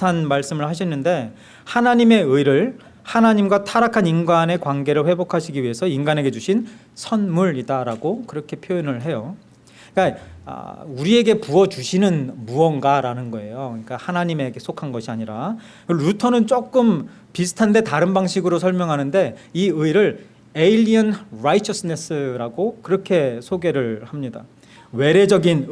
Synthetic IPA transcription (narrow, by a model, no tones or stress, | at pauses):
anmaɭs͈ɯmɯɭhaɕʰʌnːɯnde̞ | hanaɲime̞ɯiɾɯɭ | hanaɲimɡwatʰaɾakʰaninɡane̞kwanɡe̞ɾɯɭɸwe̞bokʰaɕʰiɡiɥiɦe̞sʰʌinɡaneɡe̞d͡ʑuɕʰin | sʰʌnmuɾidaɾaɡokɯɾʌkʰe̞pʰjojonɯɭɦe̞jo | ik͈aa̰uɾie̞ɡe̞puʌt͡ɕuɕʰinɯnmuʌnɡaɾanɯnɡʌe̞jokɯɲik͈ahanaɲime̞ɡe̞sʰokʰanɡʌɕʰiaɲiɾa | kɯɾutʰʌnɯnt͡ɕ͈ok͈ɯm | pisʰɯ̥tʰande̞taɾɯnbaŋɕʰiɡɯɾosʰʌɭmjʌŋɦanɯnde̞iɯiɾɯɭ | eiʎːiʌnɾait͡ɕʰʌs͈ʰɯne̞s͈ʰɯɾaɡokɯɾʌkʰe̞sʰoɡe̞ɾɯɭhamɲida̰ | we̞ɾe̞d͡ʑʌɡin